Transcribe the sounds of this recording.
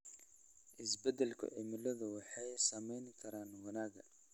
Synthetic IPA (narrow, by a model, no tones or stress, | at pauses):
ʔɪsbɛd̪ɛlkʰʊ̰ʕɪmɪlɐðʊwɑħɑjsɐmɛjnkʰɐɾaːnwɐnaːɡɐ